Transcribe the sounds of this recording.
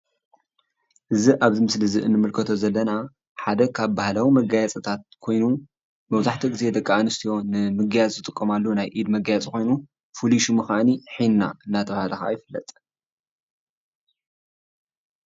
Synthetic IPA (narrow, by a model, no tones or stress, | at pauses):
ʔɨziʔaβzɨmɨslɨzɨʔɨnːɨmɨlkʰɐt̪ʰo̞zɐlːɐna | ħad̪ɐkʰaβbahlawimɐɡajat͡sʼɐt̪ʰat̪̚kʰo̞jnu | mɐwzaħt̪ʰoɡize̞d̪ɐkʼːaanɨst̪ʰijo̞nɨmɨɡajat͡sʼzɨt̪ʼɨkʼːɐmalːonajʔid̪mɐɡajat͡sʼikʰo̞jnu | fuliʃumɨxaniħinna̰ɨnːat̪ʰɐβahalɐxa̰jɪfɨlːɐ̰t̪ʼ